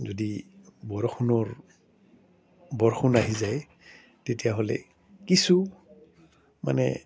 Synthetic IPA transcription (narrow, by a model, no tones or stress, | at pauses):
zodibɔɹɔxunɔɹ | bɔɹxunaɦizaj | tetijaɦolɛ̰ | kisu | ma̰nɛ̰